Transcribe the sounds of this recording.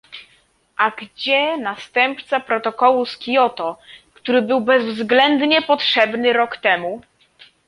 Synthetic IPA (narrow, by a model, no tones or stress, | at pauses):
ʔaɡd͡ʑɛnast̪ɛmpt̪sapɾɔt̪ɔkɔwuskʲijɔt̪ɔkt̪uɾɘbɘwbɛzvzɡlɛnd̪ɲɛpɔtʂɛbnɘɾɔkt̪ɛmu